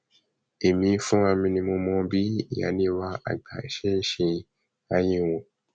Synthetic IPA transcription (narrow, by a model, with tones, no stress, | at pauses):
e˨mĩ˨˧˦fũ˦ã˧mĩ˧nĩ˧mõ˧mɔ̃˧bi˦ḭ˨ja̰˨˦nĩ˧˦wa˧˦a̰˨ɡ͡ba̰˨ḛ˨ʃe˦ʃĩ˧ | a˧jĩ˧˨wõ˨